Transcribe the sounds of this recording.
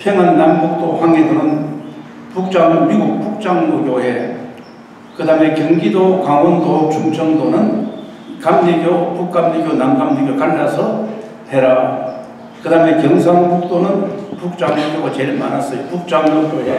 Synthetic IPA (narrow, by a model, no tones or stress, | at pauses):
pʰjeŋɯnːanɡuk̚t͈ohaŋedonɯn | puk̚t͡ɕ͈aŋɲomiɡuk̚puk̚t͡ɕ͈aŋoɡjoje | kɯdame̞kjʌŋɡidokaŋondot͡ɕʰuŋt͡ɕʌŋd̪onɯn | kamd͡ʑiɡjopuk̚k͈amd͡ʑiɡjonamɡamdiɡjokanːasʰʌ | tʰeɾa | kɯdame̞kjʌŋs̬ʰaŋɡuk̚t̪͈onɯnpuk̚t͡ɕ͈aŋoɡoɡat͡ɕeɭmanas͈ʌjopuk̚t͡ɕ͈aŋɲoɡjoje